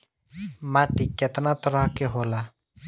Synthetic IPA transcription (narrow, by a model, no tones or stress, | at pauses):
maʈikːɛt̪anat̪ɔɾaɦkeɦola